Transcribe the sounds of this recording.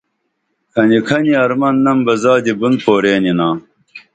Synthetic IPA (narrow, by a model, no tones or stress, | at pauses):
kʰɐnikʰɐniɐɾmɐnːɐmbɐzaːd̪ibund̪̚poːɾeːninãː